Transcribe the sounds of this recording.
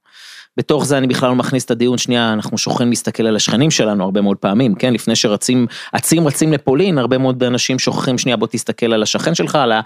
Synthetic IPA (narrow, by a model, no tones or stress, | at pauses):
b̥e̞to̞χzeanibiχlalomaχnist̪ad̪ijunʃniaːnaχnuʃoχχimlist̪ake̞lalaʃχenimʃe̞lanuaʁbe̞meo̞d̪̚peamimke̞nlifnejʃe̞ʁat͡simʔat͡simʁat͡simlepo̞linaʁbe̞meod̪anaʃimʃo̞χḁχimʃniabo̞t̪ist̪ake̞lalaʃaχe̞nʃe̞lχala